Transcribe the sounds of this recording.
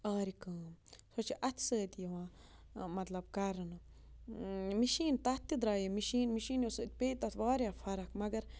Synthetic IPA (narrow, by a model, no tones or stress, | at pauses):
ʔaɾikaːmsot͡ʃiʔat̪sət̪jiwamat̪lab̚kaɾnɨ | miʃiːnt̪at̪ːid̪ɾajimiʃinmiʃinjosɨʔt̪̚ʲpet̪at̪baːɾʲafaɾakmaɡɐɾ